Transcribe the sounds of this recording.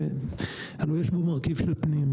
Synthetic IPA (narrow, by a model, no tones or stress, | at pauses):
alojeʃbomaʁkivʃelpnim